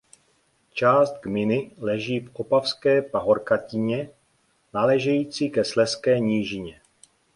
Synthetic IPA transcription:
t͡ʃaːst̪̚ɡmɪnɪlɛʒiːfʔopafskɛːpaɦo̞ɾkacɪɲɛ | nalɛːʒɛjiːt͡siːkɛslɛskɛːɲiːʒɪɲɛ

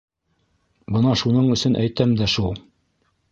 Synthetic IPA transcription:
bɤnɑʃunɤɴɵ̆sɵnʔæjt̪æmd̪æʃulˠ

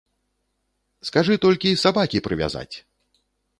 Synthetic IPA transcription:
skaʐɨt̪ɔlʲkʲisabakʲipɾɨvʲa̰za̰t͡sʲ

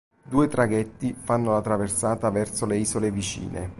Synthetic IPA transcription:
d̪uːet̪ɾaɡɛt̪ːifanːolat̪ɾaversaːt̪avɛrsoleiːzolevit͡ʃḭːnʔḛ

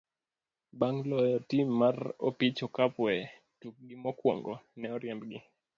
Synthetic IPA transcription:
baŋlɔjɔtimːarɔ̰pit͡ʃɔkapwɛ | tuk̚ɡimɔkwɔ̰ŋɡɔnɛɔɾjɛmbɡɪ

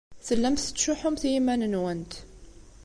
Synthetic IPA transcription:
θəlːæmθət͡s̪ːʃʊħʊmθjimænənwænt̪

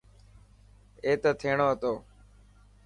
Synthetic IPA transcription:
eːt̪əːt̪ʰeːɳoːɦət̪oː

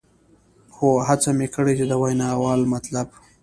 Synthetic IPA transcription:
xoɦat͡samekəɽet͡ʃed̪əwajnɑwɑlmat̪lab

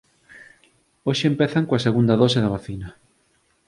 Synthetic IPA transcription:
oʃeːmpeθaŋkoaseɣund̪ɐðɔseðɐβaθinɐ

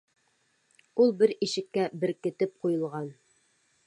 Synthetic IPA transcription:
ulˠbɘɾiʃɘ̆kːæbɘ̆ɾkɘ̆t̪ɘp̚qujɤ̆lˠʁɑn

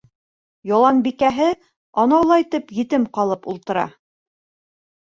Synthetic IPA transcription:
jɑlˠɑŋbikæɦɘ | ɑnɑwlˠɑjt̪ɤpjɘ̆t̪ɘmqɑlˠɤpulˠt̪ɤ̆ɾɑ̰

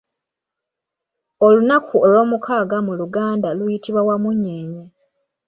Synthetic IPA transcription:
olunakuolo̞ːmukʰaːɡamuluɡaːndalujitʰiβwawamuɲːeɲe

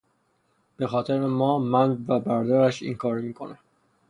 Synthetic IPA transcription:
b̥e̞xɒːt̪ʰeɾemɒːmænvæbæɾd̪ɒːɾæʃḭŋkʰɒːɾmiːkʰonæ

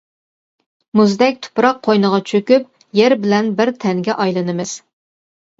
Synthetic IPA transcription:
muzd̪ɛk̚ʲt̪ʰʊ̥pɾɑqʰːojnəʁɑt͡ʃʰøkʲyp | jeɾbɪlɛnbɪɾt̪ʰɛŋɡʲɛʔɑjlˠɨnɨmɨz̥

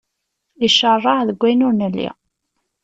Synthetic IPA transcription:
iʃərˤːɑʕðəɡʷːænʊɾnəlːḭ

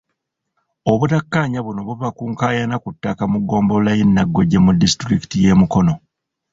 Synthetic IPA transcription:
o̞βutakːaɲaβuno̞βuβakuːŋkaːjanakutːakamuɡːo̞ːmbolajenːaɡːo̞ɟemudːisi̥tɾiki̥tije̞ːmuko̞no̞

